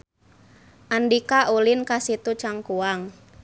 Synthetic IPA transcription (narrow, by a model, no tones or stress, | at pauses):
ʔandikaʔulinkasit̪ut͡ʃaŋkuaŋ